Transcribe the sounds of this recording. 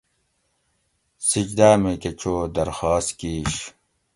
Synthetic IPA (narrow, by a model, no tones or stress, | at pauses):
sid͡ʑd̪aːmeket͡ɕʰoːd̪ɐɾxaːst̪kiːɕ